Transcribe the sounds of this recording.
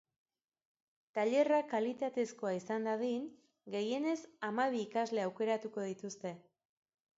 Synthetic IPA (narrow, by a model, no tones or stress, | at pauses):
t̪aʎe̞rakalit̪at̪e̞sko̞aisand̪aðin | ɡe̞je̞ne̞samaβ̞iːkazle̞awke̞ɾat̪uko̞ð̞it̪ust̪e̞